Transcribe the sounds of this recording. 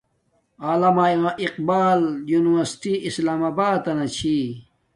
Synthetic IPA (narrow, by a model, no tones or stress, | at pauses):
aːlɐmaiaʔiqbaːljuːniwɐɾsʈiislaːmabaːd̪ɐnɐt͡ɕʰi